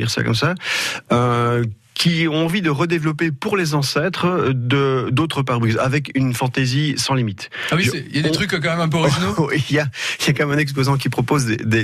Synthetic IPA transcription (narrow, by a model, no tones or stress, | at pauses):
ḭʁsa̰kɔ̰msaø | kʰʲiɔ̃ɑ̃vid̪əʁəd̪evlɔpepuʁlezɑ̃sɛt̪χəd̪əd̪ot̪χəp̬aʁbʁyza̰vɛkynfɑ̃t̪ezisɑ̃limit̪ | awisɛiljadẽt̪χykkɑ̃mɛmɛ̃p̬øɔʁiʒinowiljailjakmɛmɛ̃nɛkspozɑ̃k̬ʲipχɔpozd̪ḛd̪e